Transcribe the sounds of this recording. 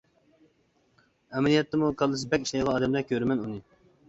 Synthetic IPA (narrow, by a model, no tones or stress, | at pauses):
ɛmɛlijɛt̪ʰːɛmukʰɑlˠːɨs̬ɨbɛkʲiʃlɛj̪ʁɑːd̪ɛmlɛkʲʰøɾmɛnunɨ